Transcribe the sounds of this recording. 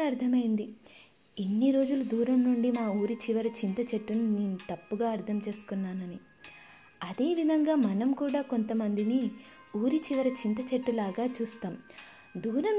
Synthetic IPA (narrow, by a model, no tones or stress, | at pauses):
ɐɾt̪ʰɐmɐjind̪i | e̞nːiɾo̞ːd͡ʒulud̪ʱuːɾɐmnuɳɖimaːuːɾit͡ʃiʋɐɾɐt͡ʃint̪ɐt͡ʃɐʈːununeːnut̪ɐpːuɡaːɐɾt̪ʰɐmt͡ʃe̞ːsu̥kunːaːnɐni | ɐd̪e̞ːʋid̪ʱɐŋɡaːmɐnɐmkuːɽaːko̞nt̪ɐmɐnd̪ini | uːɾit͡ʃiʋɐɾɐt͡ʃint̪̬ɐt͡ʃɐʈːulaːɡaːt͡ʃuːst̪aːm | d̪ʱuːɾɐm